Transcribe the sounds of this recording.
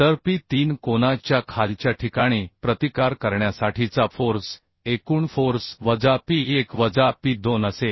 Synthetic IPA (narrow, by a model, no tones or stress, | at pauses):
t̪əɾpiːt̪iːnkonat͡ɕjakʰalt͡ɕjaʈʰikaɽ̃ipɾət̪ikaɾkəɾɳjasaʈʰit͡safoɾs | ekuːɳfoɾsʋəd͡zapiːekʋəd͡zapiːd̪onəse